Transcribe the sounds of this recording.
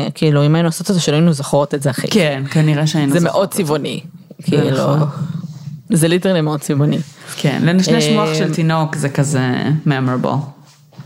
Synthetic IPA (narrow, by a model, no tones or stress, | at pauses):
kʰiiluimainuasot̪ezeʃelainuzoχʁotezeaχḭkɛnkaniʁeʃeainuzemḛʔod̚t͡sivonḭkʰiilu | zelitelimeod̥̚t͡sivonikʰɛ̰nlenaʃnejʃmoaχʃelt̪inokzekazɛ̰meamebo̰